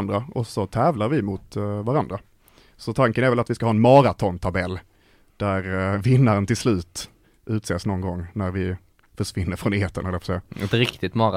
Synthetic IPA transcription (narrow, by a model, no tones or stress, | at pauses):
nd̪ɾaʔɔsɔt̪ʰɛːvlaɾvɪmʊt̪vaɾand̪ɾa | sɔt̪ʰaŋkənɛæɾvɛlat̪vɪskahɑːɛnmɑːɾat̪ʰɔnt̪ʰabɛlː | d̪̥æɾvɪnːaɾənt̪ɪlslʉ̟ːt̪ | ʔʉ̟ːt̪seːsnɔnɡɔŋːnæɾvɪ | fœʂvɪnːəɾfɾɔneːt̪ənhɛləɾvfɔsɛjːaɛt̪ɾɪkt̪ɪt̪mɑɾa